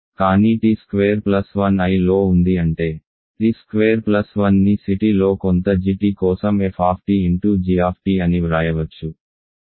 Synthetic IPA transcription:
kaːniːʈiːskʋeːɾplɐsʋɐnɐjlo̞ːund̪iɐɳʈe̞ː | ʈiskʋeːɐɾplɐsʋɐnːisiʈilo̞ːkont̪ɐd͡ʒiʈikɔːsɐmefʰaːpʰʈiiɳʈuːd͡ʒiːaːpʰʈiːɐniɾaːjɐʋɐt͡ʃːu

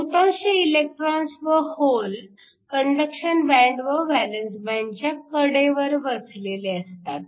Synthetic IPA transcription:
ut̪ãwɕeilek̚ʈɾansʋəhol | kəɳɖəkɕənbæ̃ɳɖʋəʋælənsbɛ̃ɳt͡ɕjakəɽeʋəɾʋət͡sleleəst̪a̰t̪̚

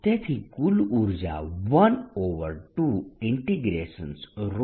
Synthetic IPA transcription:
t̪et̪ʰikuluɾd͡ʑa̰ʋɐnoʋəɾʈuiɳʈiɡɾḛʃə̰nsɾo

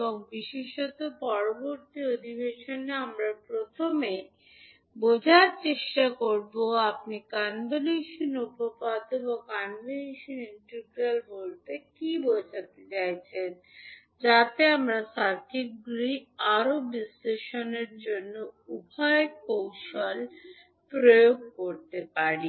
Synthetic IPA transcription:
bɔŋbiʃeʃɔt̪opɔɾoboɾt̪iod̪ʱibeʃoneamɾapɾot̪ʰome | bod͡ʑʱaɾt͡ɕeʃʈakoɾboap̚nikanbeliʃonupopad̪ebokanbeliʃoniɳʈeɾɡɾalbolt̪ekibod͡ʑʱat̪et͡ɕajt͡ɕʰen | d͡ʑat̪eamɾasaɾkʰit̚ɡɾiaɾobisleʃoneɾd͡ʑonːoubʱaekowʃol | pɾojoɡ̚koɾt̪epaɾi

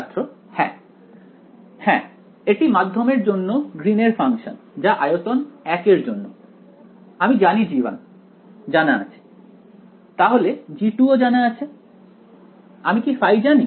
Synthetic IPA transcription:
t̪ːɾo | hɛ̃ | hɛ̃ | eʈimad̪ʱːomeɾd͡ʑonːoɡɾineɾfaŋʃo̰nd͡ʑaʔajot̪onɛkeɾd͡ʑonːo | amid͡ʑanid͡ʑiba̰n | d͡ʑanaa̰t͡ɕʰe̥ | t̪aɦoled͡ʑiʈuod͡ʑanaat͡ɕʰe | amikifajd͡ʑani

